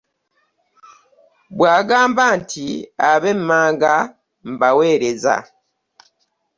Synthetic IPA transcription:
bwaːɡaːmbantʰiaβemmaːŋɡa | m̩bawe̞ːɾeza̰

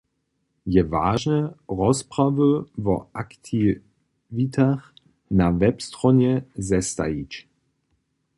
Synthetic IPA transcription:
jɛvaːʒnəʁɔspʁ̥avəvɔʔaktʰi | vitʰaχ | navɛpstʁɔnjɛzɛsta̰it͡ʃ

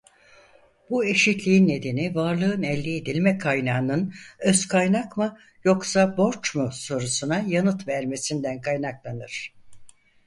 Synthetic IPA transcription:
bue̞ʃit̪lʲiːnːe̞d̪e̞nivaɾlˠɯɯnɛlʲːied̪ilʲmɛkʰajnaːnɯnøzkʰajnakma | jo̞ksabo̞ɾt͡ʃmuso̞ɾusunajanɯt̪væɾme̞sind̪ænkʰajnaklˠanɯɾ̥

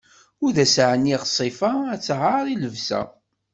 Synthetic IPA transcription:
ʊɾðæsʕəniʁsˤifaæt͡sːʁaɾˤiləvsæ̰

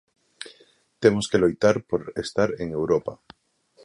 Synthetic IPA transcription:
t̪emoskelojt̪aɾpoɾest̪aɾeŋe̞wɾopa

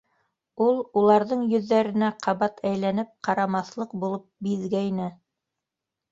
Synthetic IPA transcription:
ulˠulˠɑɾðɤɴjɵ̆ðːæɾɘ̆næqʰɑβɑt̪ʰæjlænɘp̚qʰɑɾɑmɑθlˠɤq̚bulˠɤp̚biðɡæjnɘ

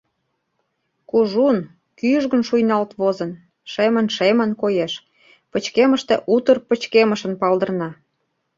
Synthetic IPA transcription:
kuʒun | kyʒɣə̆nʃujnɑlt̪βozə̆n | ʃemə̆nʃemə̆nkojeʃ | pət͡ɕkemə̆ʃt̪eʔut̪ərpə̆t͡ɕkeməʃə̆npɑld̪ə̆rnɑ

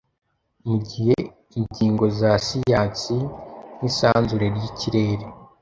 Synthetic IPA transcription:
muɟihe | iɲɟiːŋɡo̞zasijaːt͡sinisaːnzuɾe̞ɾjiciɾe̞ːɾe

